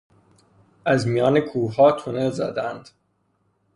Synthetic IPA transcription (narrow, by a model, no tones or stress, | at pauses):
æzmijɒːnekʰuːɦɒːt̪ʰonelzæ̰d̪ænd̪̥